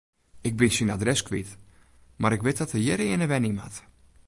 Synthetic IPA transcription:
ɪk̚bɪnsinadrɛskʋit | maɾɪkʋɪt̚dɔtəjɪɾəɪnəʋɛnima̰t

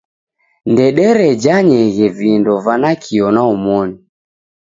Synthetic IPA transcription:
ndɛɗɛɾɛd͡ʒaɲɛɣɛvindɔvanakʰiɔnaumɔni

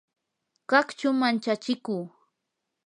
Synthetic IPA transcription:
kɑkt͡ʃʊmant͡ʃat͡ʃɪkuː

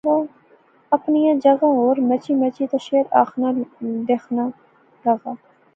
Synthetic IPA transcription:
oː | ɐpnijɑ̃ːd͡ʒɐɣãːoːɾmɛt͡ʃiːmɛt͡ʃiːt̪aʃeːɾa̰ːxnad̪eːxʰna | lɐɣaː

